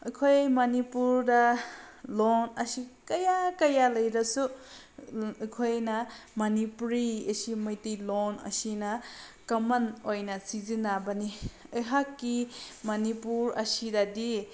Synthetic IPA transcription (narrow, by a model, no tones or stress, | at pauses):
ɐkʰojmɐnipuɾdɐ | lonɐsikɐjakɐjalɐjɾɐsu | kʰojnɐmɐnipuɾiesimɐjtilonɐ̰sinɐkɐmɐnojnɐsizinabɐniɯɦakːimɐnipuɾɐ̰sidɐdi